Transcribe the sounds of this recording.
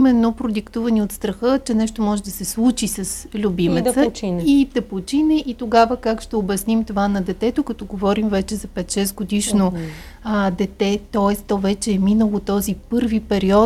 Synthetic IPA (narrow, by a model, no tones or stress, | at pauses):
imɛnːopɾod̪ikt̪uvɐniot̪st̪ɾɐxɤt͡ʃɛnɛʃt̪omɔʒɛd̪ɐsɛslˠut͡ʃisɐslʲubimɛt̪t̪əit̪ɐpot͡ʃinɛʔit̪oɡavəkakʃt̪ɛobɐsnimt̪ovanɐd̪ɛt̪ɛt̪okɐt̪ɔɡovɔɾimvɛt͡ʃɛzɐpɛt̪ʃɛsɡod̪iʃno | d̪ɛt̪ɛt̪ɔɛst̪t̪ɔvɛt͡ʃɛːminəlˠot̪ɔzipɤɾvipɛɾiɔ